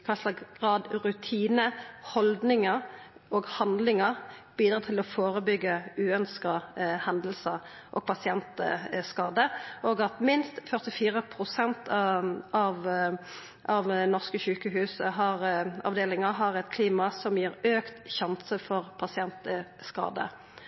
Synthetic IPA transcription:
kʰɑslɑɡɡ̥ʁɑːd̪ɾʉt̪ʰiːnəhɔld̪nɪŋəɾ | oːɡhɑnd̪lɪŋəʁb̥iːd̪ʁɑːt̪ʰɪlɔfoːʁəbʏɡːəʉːœnskɑhɛnd̪l̩sə | ʔɔ̰ɡ̚pʰɑsɪɛnt̪ə̰skɑːd̪əʔoːɡɑt̪mɪnst̪fœʁt̪ɪfiːʁəpʰɾʊsɛnt̪ɑɑʋ | ʔɑʋnɔʁskəɕʉːkəɦʉːsəɦɑʁɑ̰ʋd̪eːlɪŋɑɦɑʁɛt̪kʰliːmɑsɔmjiːɾøːkt̪ɕɑnsəfɔʁpʰɑsɪɛnt̪əskɑ̰ːd̪ə̰

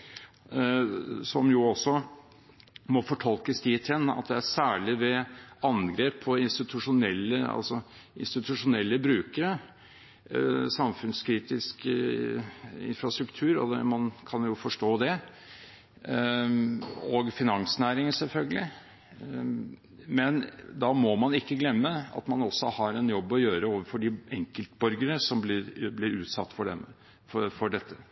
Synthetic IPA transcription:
sɔmjʊɔsːɔ | mɔfɔʈʰɑlkəst̪ʰiːt̪ʰɛnːɑ̰t̪̚d̪ɛæsæːɭɪʋɛɑnɡɾeːpʰːɔɪnst̪ɪt̪ʰʉʂʊnɛlːəɑ̰lsɔ | ɪ̰nst̪ɪt̪ʉʂʊnɛlːəbɾʉːkəɾə | sɑmfʉnskʰɾiːt̪ɪsk | ɪ̰nfɾɑst̪ɾʉkt̪ʰʉːɾɔ̰d̪ɛ̰mɑnkʰɑnjʊfɔʂʈoːd̪ɛ | ɔɡfɪnɑŋsnæːɾɪŋəsɛlfœlɡəlɪ | mɛnd̪ɑmɔmɑnɪkːəɡlɛmːəɑ̰t̪mɑnɔsːɔhɑɾɛnjɔbːɔjøːɾəoːʋəɾfɔɖɪɛŋkəlt̪bɔɾɡəɾəsɔmblɪɾblɪɾʉːt̪sɑ̰t̪ːfɔɖɛ̰m | fɔɖɛt̪ːə

